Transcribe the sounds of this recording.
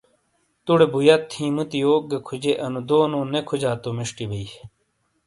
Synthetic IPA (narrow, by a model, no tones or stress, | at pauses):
t̪uɽebujat̪ʰːĩːmut̪ijoːɡekʰud͡ʑeʔɐnũd̪oːnõːnekʰud͡ʑaːt̪omiʂʈibei